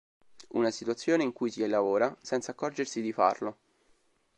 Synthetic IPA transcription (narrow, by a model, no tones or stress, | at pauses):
unasit̪uat̪sːjoːneiŋkujsilavoːɾasɛnt̪saːkːɔrd͡ʒersid̪ifa̰rlo